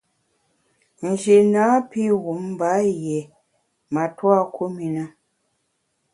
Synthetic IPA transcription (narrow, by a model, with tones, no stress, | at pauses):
n̩˨d͡ʒi˨na˨˦pi˦ɣu˨˦m̩˦ba˨˦jɛ˨ | ma˨twa˦˨ku˦mi˨na˦